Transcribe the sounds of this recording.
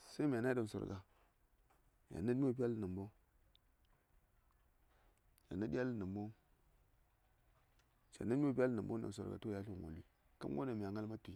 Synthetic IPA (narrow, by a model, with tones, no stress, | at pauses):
sa˦mʲ˨a˨na˦da˨m˨so̰˨ɾɡa˨ | ja̰˨na˦tmʲ˦o˨p̬ʲa˦lna˨mbo˦ | ja̰˨na˦di˦a˦lna˨mbo˦ | t͡ʃa̰˨na˦m˦˨p̬i˦a˦lna˨mbo˦da̰˨m˨so̰˨ɾɡa̰˨to˦ja˦u˦˨ŋo̰˨li˦ | ka̰˦mɡo̰˦na˨mʲ˨a˨ŋa˦lma˦tu˨